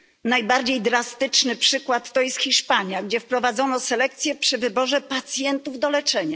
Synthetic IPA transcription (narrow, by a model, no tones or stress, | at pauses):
najbaɾd͡ʑejd̪ɾast̪ɘt͡ʂnɘpʂɘkwat̪ːɔjɛst̪xʲiʂpaɲjaɡd͡ʑɛfpɾɔvad̪zɔnɔsɛlɛkt̪sʲjɛpʂɘvɘbɔʐɛpat̪sʲjɛnt̪uvd̪ɔlɛt͡ʂɛɲa